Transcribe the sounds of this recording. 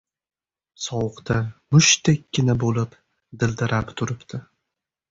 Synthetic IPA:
sɒwʊqt̪ʰamʊʃt̪ekʲːɪnabolɪp | d̪ɪld̪ɪɾapt̪ʰʊɾɪpt̪ʰɪ

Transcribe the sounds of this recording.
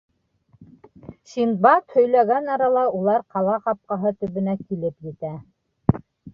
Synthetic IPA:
ʃin̚bɑt̪hɵ̆jlæɡænɑɾɑlˠɑulˠɑɾqɑlˠɑqɑp̚qɑɦɤt̪ɵ̆βɘ̆nækilɘpjɘ̆t̪æ

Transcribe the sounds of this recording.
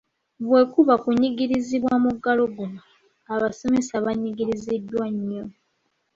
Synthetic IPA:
βwe̞kuβakuɲiɡiɾiziβwamuɡːalo̞ɡuma | aβaso̞me̞saβaɲiɡiɾizidːwaɲːo

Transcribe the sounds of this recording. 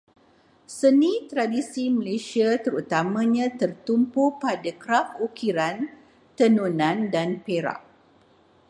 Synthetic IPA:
sənĩt̪ɾadisiməlesiat̪əɾut̪amãɲãt̪ərt̪umpupadakɾapukiɾan | t̪ənunãndanpeɾa̰ʔ̚

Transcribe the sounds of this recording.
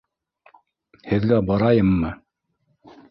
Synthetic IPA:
hɘ̆ðɡæbɑɾɑjɤmːɤ

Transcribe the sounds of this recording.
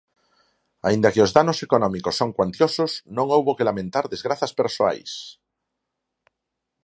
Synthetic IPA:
aind̪akeozðanosekonɔ̃mikosːoŋkwant̪jososnõŋowβokelamẽnt̪aɾðezɣ̞ɾaθaspeɾsoa̰js

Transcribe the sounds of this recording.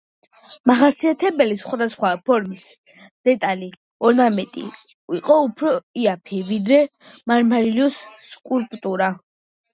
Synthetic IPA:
maχasiat̪ʰɛbɛlisχwad̪asχwapʰɔɾmis | d̪̥ɛt̪ʼali | ɔnamɛt̪ʼḭ | iqʼɔupʰɾɔiapʰivid̪ɾɛmaɾmaɾilɔsːkʼulpʼt̪ʼuɾa

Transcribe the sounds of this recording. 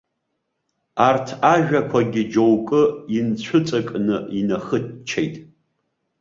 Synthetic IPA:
artʰaʒᶣakʷʰaɡʲɪd͡ʒowkʼɨint͡ɕʷʰʊt͡sʼakʼnɨinaχɨtt͡ʃʰejtʼ

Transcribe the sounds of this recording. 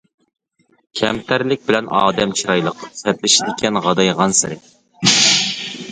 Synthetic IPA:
kʲʰɛmt̪ʰæɾlɪk̚ʲbɪlɛnɑ̰ːd̪ɛmt͡ʃʰiɾɑjlˠəq̚sɛt̪lɪʃid̪ɪkʲʰɛnʁɑd̪ɑjʁɑnsɪɾɛk̚ʲ

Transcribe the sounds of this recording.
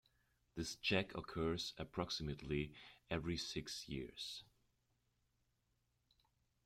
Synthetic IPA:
ðɪst͡ʃʰɛkʰəkʰɜ˞z̥ɨpʰɹ̥ɑksɨmɨtʰˡliɛvɹisɪksjɪ̰ɹz̥

